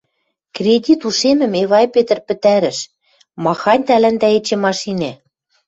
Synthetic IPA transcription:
krʲedʲit̪uʃemɘ̆meβɑjpet̪ɘ̆rpɘ̆t̪æɾɘ̆ʃ | mɑxɑnʲt̪ælænd̪æet͡ɕĕmɑʃine

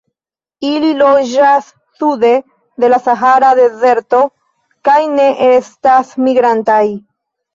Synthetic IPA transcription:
ililo̞d͡ʒasː | ude̞ | de̞lasaɦaɾade̞ze̞ɾto̞ | kajne̞ʔe̞stasmiɡɾantaj

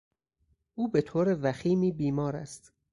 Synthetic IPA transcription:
ʔuːbe̞t̪ʰoːɾevæxiːmiːbiːmɒːɾæ̰st̪

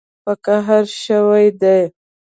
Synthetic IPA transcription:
pəkaɦaɾʃəwajd̪aj

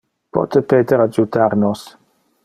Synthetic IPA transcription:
pʰɔ̰tʰəpeːdəɾad͡ʒutʰaɾnɔs

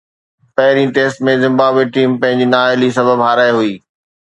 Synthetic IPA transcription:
pɐɦɪɾĩʈeːsʈmẽzɪ̃mbaːbweʈiːmpɐ̃ɦɪ̃ɲd͡ʑinaːelisɐbʱəbɦaːɾaːeɦuiː

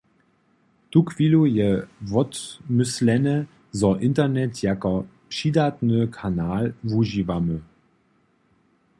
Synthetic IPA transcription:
tukʰv̥iːlujɛvɔtmʏslɛnɛ | zɔʔɪntɐnɛtjakɐpʃiːdatnəkʰanaːlvuʒivamə

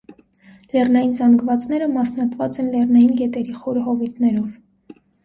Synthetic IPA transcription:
lɛrnɑjinzɑŋɡvɑt͡snɛɾəmɑsnɑt̪vɑt͡sɛnlɛrnɑjinɡɛt̪ɛɾiχɔɾɦɔvit̪nɛɾɔv

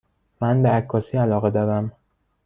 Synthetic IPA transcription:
mænbeækʰːɒːsiːælɒːɣe̞d̪ɒːɾæm

